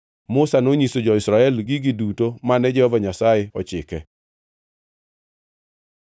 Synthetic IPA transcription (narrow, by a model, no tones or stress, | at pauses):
mʊsanoɲisod͡ʒɔɪsɾaɛlɡiɡidutomanɛd͡ʒɛhɔvaɲasajeɔt͡ʃɪ̰kɛ